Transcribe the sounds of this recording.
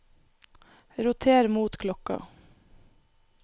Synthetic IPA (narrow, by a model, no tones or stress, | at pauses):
ɾʊt̪ʰeːɾmuːt̪kʰlɔkɑ̰